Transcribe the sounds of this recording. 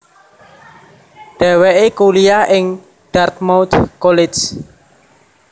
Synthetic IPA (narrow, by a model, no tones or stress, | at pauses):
ɖ̪̥ɛ̤weʔekuliaʔɪŋ | ɖ̥art̪̚mawt̪kolɪd͡ʒ